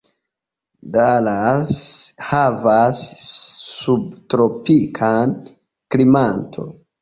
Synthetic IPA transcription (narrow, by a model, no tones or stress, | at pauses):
dalashavasː | ubtɾo̞pikʰan | klimantʰo̞̰